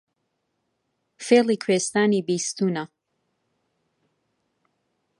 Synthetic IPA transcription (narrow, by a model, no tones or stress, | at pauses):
feːlˠikʰwest̪aːnibiːst̪una